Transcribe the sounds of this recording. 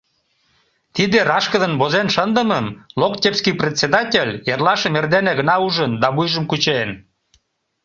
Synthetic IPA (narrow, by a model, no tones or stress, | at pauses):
t̪id̪eɾɑʃkəd̪ənbozenʃənd̪əməmlokt̪ʲepskiprʲet̪ʲsʲed̪ɑtʲelʲjerlɑʃemerd̪eneɣə̆nɑuʒənd̪ɑβujʒəmkut͡ɕen